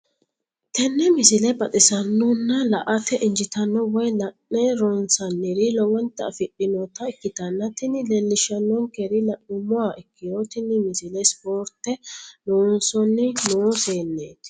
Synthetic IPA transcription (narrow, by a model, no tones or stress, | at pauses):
t̪ɛnːɛmɪsɪlɛbɐt̪ʼɪsɐnːɔnːɐlɐʔɐt̪ɛʔɪɲd͡ʒɪt̪ɐnːɔwɔjlɐʔːɛɾɔnsɐnːɪɾɪlɔwɔnt̪ːɐ̰fɪɗːɪnɔt̪ɐɪkːɪt̪ɐnːɐt̪ɪnɪlɛlːɪʃɐnːɔŋkɛɾɪlɐʔʊmʊwaʔɪkːɪjoːt̪ɪnːɪmɪsɪlɛspoːɾt̪ːɛloːnsɔnːɪnoːseːnːeːt̪